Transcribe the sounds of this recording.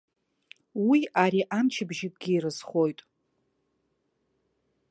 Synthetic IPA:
wiaɾiʔamt͡ʃʰɪbʒɪtʼɡʲiːɾɨzχo̞jtʼ

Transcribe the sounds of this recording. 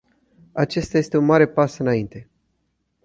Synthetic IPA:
at͡ʃe̞st̪aje̞st̪e̞unmaɾe̞pasɨnaint̪e̞

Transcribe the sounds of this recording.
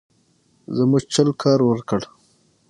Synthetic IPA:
zəmuʒt͡ʃəlkʰɑːɾwəɾkəɽ

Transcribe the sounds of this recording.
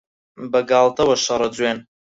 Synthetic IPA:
bɐɡaːlˠt̪ɐwɐʃɐɾˤɐd͡zweːn

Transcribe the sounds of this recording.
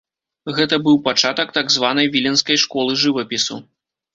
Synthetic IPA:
ɣɛt̪ɐbɨwpat͡ʂat̪ɐkt̪aɡzvanɐjvʲilʲɛnskɐjʂkɔlˠɨʐɨvɐpʲisṵ

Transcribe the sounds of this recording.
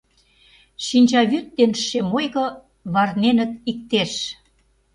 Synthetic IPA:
ʃinʲt͡ɕɑβyt̪̚ːenʃemojɣɤ̆ | βɑrnenə̆t̪̚ik̚t̪eʃ

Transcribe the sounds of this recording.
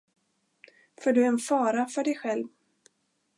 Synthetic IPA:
fɔːɖɵɛnfɑːɾafœɖɛjɧɛlv

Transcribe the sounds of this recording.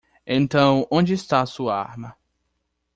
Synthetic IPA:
ẽnt̪ɐ̃w̃õd͡ʒɪɪst̪aɐsuɐa̰ɾmɐ

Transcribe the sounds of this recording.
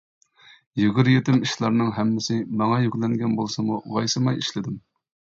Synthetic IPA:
jyɡʲyɾjet̪ɪmiʃlˠɑɾnɨŋɦɛmːɪsɪmɑŋɑjykʲlˠɛŋɡʲɛnbolˠsɨmuʁɑjsɨmɑjiʃlɪd̪ɪm

